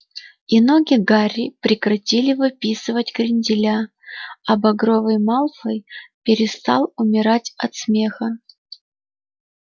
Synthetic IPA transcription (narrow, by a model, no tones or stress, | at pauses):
inoɡʲɪɡaɾʲɪpɾʲɪkɾɐtʲilʲɪvɨpʲisɨvətʲɡɾʲɪnʲdʲɪlʲa | ɐbɐɡɾovɨjmalˠfəjpʲɪɾʲɪst̪ɑlˠʊmʲɪɾatʲɐt̪smʲe̞xə